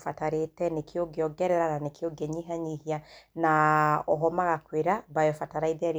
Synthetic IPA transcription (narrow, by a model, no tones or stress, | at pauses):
fataɾetɛnekʰeoɡeɔɡɛɾɛɾananekeoɡɛɲiɦaɲihianaɔɦɔmaɣakweɾabajɔfataɾaiðaɾ